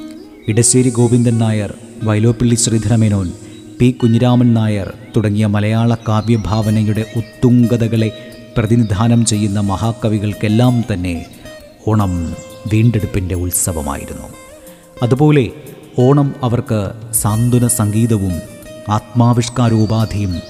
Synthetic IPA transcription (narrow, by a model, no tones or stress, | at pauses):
iɽɐɕʋeːɾiɡo̞ːʋind̪ɐnnaːjɐr | ʋɐjlo̞ːpːiɭːiɕriːd̪ʱɐnɐmeno̞ːn | piːkːuɲːiɾaːmɐnnaːjɐ̰rt̪uɽɐŋːijɐmɐlɐjaːɭɐkaːʋjɐbʱaːʋɐnɐjuɽe̞ʔut̪ːuŋɡɐðɐɣɐɭe̞ | prɐðinid̪ʱaːnɐmt͡ɕe̞jːun̪ːɐmɐɦaːkːɐʋiɣɐɭke̞lːaːmt̪ɐnːe̞ | o̞ːɳɐm | ʋiːɳɖe̞ɽupːinde̞uɭsɐʋɐ̰ma̰ːjḭɾunːṵ | ɐðubo̞ːle̞ | o̞ːɳɐmɐʋɐrkɨsaːnd̪ʱunɐsɐŋɡiːðɐʋum | aːt̪̚maːʋiʂkaːɾoːbaːd̪ʱijum